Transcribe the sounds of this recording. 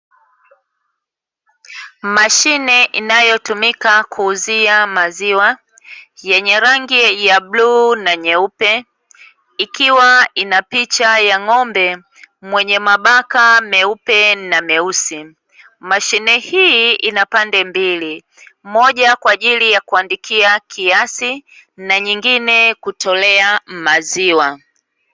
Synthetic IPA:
maʃinɛʔinajɔtumikakʰuːziamaziwa | jɛɲɛɾaŋɡijaɓluːnaɲɛupɛ | ikiwainapit͡ʃajaŋɔmbɛ | mwɛɲɛmaɓakamɛupɛnamɛusi | maʃinɛhiinapandɛmbili | mɔʄakwaːʄilijakuandikʰiakʰiasi | naɲiŋɡinɛkutʰɔlɛamaziwa

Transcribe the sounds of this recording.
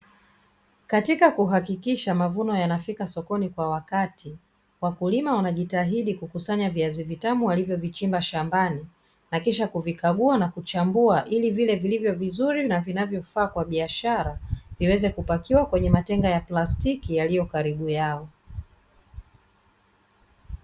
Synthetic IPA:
katikakuɦakikiʃamavunɔjanafikasɔkɔnikwawakati | wakulimawanaʄitaɦiɗikukusaɲaviazivitamuwalivjɔvit͡ʃimbaʃambani | nakiʃakuvikaɠuanakut͡ʃambuaʔilivilɛvilivjɔvizuɾinavinavjɔfaːkwaɓiaʃaɾaviwɛzɛkupakiwakwɛɲɛmatɛŋɡajaplastikijalijɔkaɾiɓujaɔ

